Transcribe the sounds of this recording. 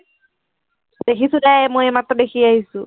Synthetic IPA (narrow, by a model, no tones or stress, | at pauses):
d̥ekʰisudamojmatːɔdekʰiaɦisʊ̃